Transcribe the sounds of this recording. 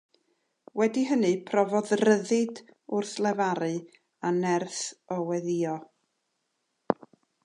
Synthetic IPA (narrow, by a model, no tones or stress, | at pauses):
wɛdiɦənɨpʰrɔvɔðrəðɪdʊrθlˠɛvaɾɨ | anɛrθɔwɛðiɔ